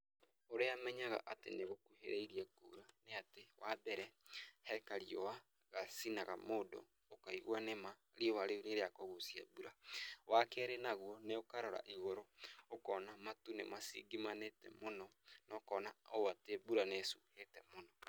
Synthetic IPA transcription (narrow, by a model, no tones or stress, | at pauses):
oɾeamɛɲaɣa̰ʔatḛneɣokuhḛɾɛiɾiɛkuɾaneatewabɛɾɛhɛkaɾiɔwa | ɣasinaɣa̰moːdɔ̰ | okaiɣwanema | ɾiɔwaɾeuneɾeakɔɣosia̰buɾawʔakɛɾenaɣɔneokaɾɔɾa̰ʔiɣoɾookɔːnamatunḛmasḭɡimanetɛ̰monɔ | nɔkɔːnaooatebuɾanesuhetɛmonɔ